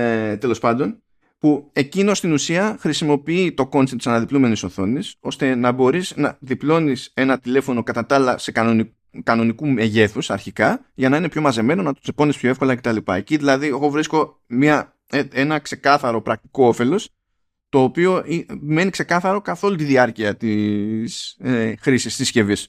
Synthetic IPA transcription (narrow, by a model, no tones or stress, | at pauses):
t̪e̞lo̞spɐnd̪o̞n | pue̞cino̞st̪inusiɐxɾisimo̞piit̪o̞ko̞nsent̪sɐnɐðiplume̞nisoθo̞niso̞st̪e̞nɐbo̞ɾisnɐðiplo̞nise̞nɐt̪ile̞fo̞no̞kɐt̪ɐt̪ɐlɐse̞kn | kɐno̞nikume̞ʝe̞θusɐɾçikɐ | ʝɐnɐine̞pço̞mɐze̞me̞no̞nɐt̪o̥sepo̞nispço̞efko̞lɐce̞t̪ɐlipɐ̰e̞ciðilɐðie̞ɣo̞vɾisko̞ | mɲɐ | ee̞nɐkse̞kɐθɐɾo̞pɾɐk̚t̪i̥ko̞o̞fe̞lo̞s | t̪o̞ːpio̞ime̞nikse̞kɐθɐɾo̞kɐθo̞lut̪iðiɐɾciɐt̪isxɾisist̪isce̞vis